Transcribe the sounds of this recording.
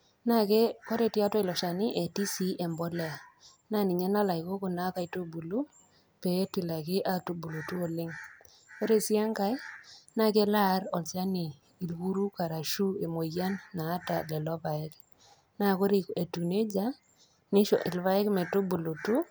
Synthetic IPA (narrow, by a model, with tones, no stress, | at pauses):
na˦kɛ˦kɔ˦ɾe˨ti˦a˦twɔ˦ɪ˨lɔ˨ʃa˨nɪ˦ʔe˨ti˦si˦ɛ˨mbɔ˦lɛ˦a˨ | na˦nɪ˨ɲɛ˦na˦la˨iko˦kʊ˨na˦ka˨i˨to˦bu˨lu˦ | pɛ˨˦tɪ˨la˨kɪ˦ʔa˦to˨bu˨lo˨tu˦o˨lɪ˦ŋ | ko˦ɾe˦si˦a˦ŋka˦jna˦kɛ˦la˦ɾɔ˨lsa˦nɪː˨ | lku˦ɾu˦ka˨ɾa˨ʃu˦e˨mo˨ja˦nːaː˨˦ta̰˨lɛ˨lɔ˦pa˨ɪ˦k | na˦ko˦ɾe˨e˨tu˨ne˦d͡ʒa˦ | nɪ˦ʃɔ˨ʔɪ˨lβa˦ɛ˦kmɛ˨to˦bu˨lo˨tu˦